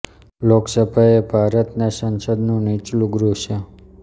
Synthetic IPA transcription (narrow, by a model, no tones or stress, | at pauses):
loksəbʱaebʱaɾət̪nasə̃nsəd̪nũnit͡ʃlũɡɾuʃe